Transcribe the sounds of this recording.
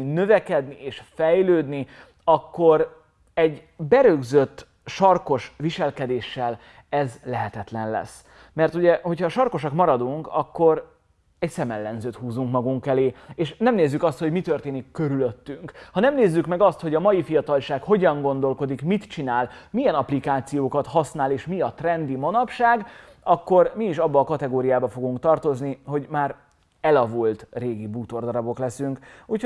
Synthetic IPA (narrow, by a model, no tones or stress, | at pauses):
nø̞vɛkɛd̪nieːʃfɛjløːd̪ni | ɒkːo̞ɾ | ɛɟ | bɛɾøɡzøt̪ː | ʃɒrko̞ʃʋiʃɛlkɛd̪eːʃːɛl | ɛzlɛɦɛt̪ɛt̪lɛnlɛ̰s | mɛrt̪uɟɛho̞chɒʃɒrko̞ʃɒkmɒɾɒd̪uŋkɒ̰kːo̞ɾ | ɛcsɛmɛlːɛnzøːt̪huːzuŋkmɒɡuŋkɛleːeːʃnɛmneːzːykɒst̪ho̞ɟmit̪ørt̪eːnikːøɾylø̞t̪ːyŋkhɒnɛmneːzːykmɛɡɒst̪ho̞ɟɒmɒjifijɒt̪ɒlʃaːkho̞ɟɒŋɡo̞nd̪o̞lko̞d̪ikmit̪t͡ʃinaːlmijɛnɒplikaːt̪sijoːkɒt̪hɒsnaːleːʃmiɒt̪rɛnd̪imonɒpʃaːɡ | ɒkːo̞rmiːʃɒbːɒːkɒt̪ɛɡoːɾijaːbɒfo̞ɡuŋkt̪ɒrt̪o̞zniho̞ɟmaːɾ | ɛlɒvult̪reːɡibuːt̪o̞rd̪ɒɾɒbo̞klɛsyŋkuc